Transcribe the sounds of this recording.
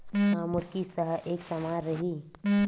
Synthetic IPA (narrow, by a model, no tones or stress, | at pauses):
naːmʊɾkist̪əɦəʔeːksamaːɾɾɐɦiː